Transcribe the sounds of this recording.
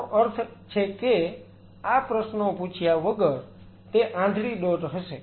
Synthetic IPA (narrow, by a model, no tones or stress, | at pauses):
ʔəɾt̪ʰt͡ʃʰeke | apɾəʃnoput͡ʃʰjaʋəɡəɾ | t̪eʔãɖʱɽiɗoʈɦəʃe